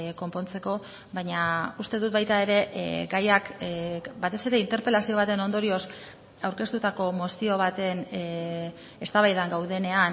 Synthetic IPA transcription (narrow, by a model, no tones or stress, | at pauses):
ko̞mpo̞nt͡se̞ko̞ | βaɲaust̪e̞ðut̪̚βajt̪ae̞ɾe̞ɡajak | bat̪e̞se̞ɾe̞int̪e̞ɾpe̞lasio̞β̞at̪e̞no̞nd̪o̞ɾio̞s | awɾke̞st̪ut̪ako̞mo̞sio̞β̞at̪e̞n | e̞st̪aβajðaŋɡawðe̞ne̞an